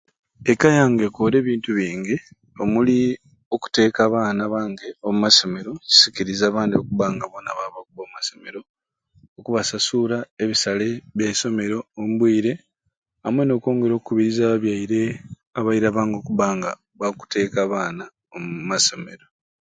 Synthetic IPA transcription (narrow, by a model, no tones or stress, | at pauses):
ekajaːŋɡekoːɾe̞ːβiːntuβiːŋɟi | o̞muli | o̞ku̥te̞ːkaːβaːnaβaːŋɡe̞omumaso̞me̞ɾo̞ci̥siciɾizaːβaːndio̞kuβaːŋɡaβo̞naβaβakuβoːmmaso̞me̞ɾo̞ː | kuβasasuɾaeβisale̞βjaiso̞me̞ɾo̞ːmuβwiːɾe̞ | amweno̞ːko̞ːŋɡe̞ɾo̞ːkukuβiɾizaːβaβjaiɾe̞ | aβajiɾeaβaːŋɡo̞ːkuβaːŋɡa | βaku̥te̞ːkaβaːna | ommaso̞me̞ɾo̞